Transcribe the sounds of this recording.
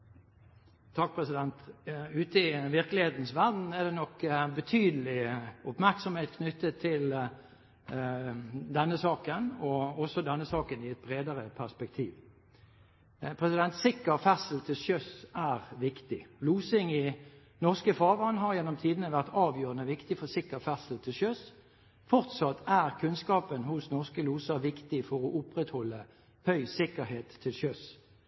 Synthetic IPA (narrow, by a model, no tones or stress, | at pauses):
t̪ʰɑk̚pʰʁɛsɪd̪ɛnt̪ʉːt̪əɪʋɪɾkəlɪheːt̪n̩sʋæʁd̪n̩ɛʁd̪ɛnɔkːbət̪ʰyːd̪əl̩ɪʊpmæʁksɔmheːt̪kʰnʏt̪ːət̪ʰːɪl | d̪ɛnːəsɑːkənɔɔsɔd̪ɛnːəsɑːkənɪɛt̪̚bɾeːd̪əʁəpʰæʁspɛk̚t̪ʰḭːʋ | pʰʁɛsɪd̪ɛnt̪sɪkːəʁfæsl̩t̪ʰɪlʃœsæʁʋɪkt̪ɪluːsɪŋɪ | nɔʁskəfɑːʋɑnɦɑʁjɛnːɔmt̪ʰiːd̪nəʋæʁt̪ɑːʋjøːʁənəʋɪkt̪ɪfɔsɪkːəfæʁsəlt̪ʰɪlʃœs | fɔʁt̪sɑt̪ʰːæʁkʰʉnskɑːpənhʊsnɔʁskəluːsəʋɪkt̪ɪfɔʁɔʔʊpʁɛt̪hɔlːə | hœʏsɪkːəɦeːt̪ʰːɪlsœs